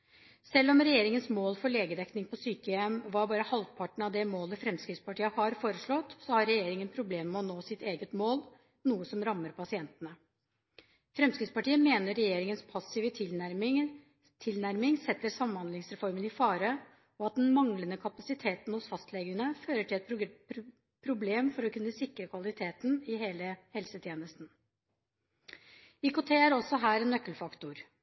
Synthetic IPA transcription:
sɛlːɔmɾɛjeːɾɪŋənsmoːlfɔɭeːɡəd̪ɛknɪŋpʰɔsyːkəɛmʋɑɾbɑːɾəhɑlʋpʰɑʈɳ̩ɑʋd̪ɛmoːləfɾɛmskɾɪd̪spɑʈiːəhɑɾfoːɾəʂɭɔt̪ːsɔhɑɾɛjeːɾɪŋənpʰɾʊbleːmːɛɔnoːsɪt̪eːɡət̪moːl | nuːəsɔmɾɑmːəɾpʰɑsɪɛnt̪ənə | fɾɛmskɾɪd̪spɑʈiːəmeːnəːɛjeːɾɪŋənspʰɑsɪʋə | t̪ʰɪlnæɾmɪŋsɛt̪ːəɾsɑməhɑnd̪lɪŋsɾɛfɔɾmənɪfɑːɾə | ɔɑt̪̚d̪ɛnmɑŋlənəkʰɑpɑsɪt̪ʰeːt̪n̩hʊsfɑst̪lɛɡənəføːɾəʈʰɪlɛt̪ | pʰɾʊbleːmfɔɾɔkʰʉnːəsɪkɾəkʰʋɑlɪt̪ʰeːt̪n̩ɪɦeːləhɛlsət̪ʰjeːnəst̪n | ikʊt̪ʰeːæɾɔsːɔɦæːɾɛnːœkːəlfɑkt̪ʊɾ

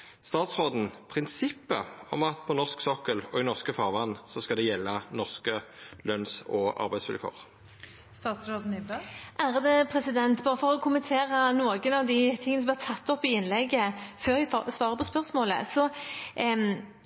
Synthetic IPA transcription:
st̪ɑːt̪sʁoːd̪n̩pʰʁɪnsɪpːə̰ɔ̰mɑt̪pʰɔnɔʁsksɔkəlɔɪnɔʁskəfɑːʁʋɑnːsɔskɑld̪ɛjɛlːənɔʁskəlœnsɔɑ̰ʁbæɪsʋɪ̰lkʰo̰ːʁ | st̪ɑːt̪sɾoːd̪n̩ːbəʔæːʁəd̪əpʰɾɛsɪd̪ɛnt̪bɑːʁəfɔʁɔkʰʊmənt̪ʰeːɾɑnoːɡənɑʋd̪ɪt̪ʰɪŋənsɔb̪hɛt̪ʰɑt̪ːɔpːɪɪnːlɛɡəføːɾæɑsʋɑːɾʁəpɔspœʁsmoːlə̰sɔ

